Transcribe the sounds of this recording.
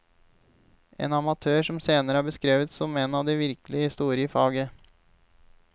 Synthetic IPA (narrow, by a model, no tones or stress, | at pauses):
ʔḛːnɑmɑt̪ʰøːʂɔmseːnəɾəhɑːbəskɾeːʋət̪sɔmeːnɑʋd̪ɛʋɪɾklɪəhɪst̪uːɾɪəfɑːɡə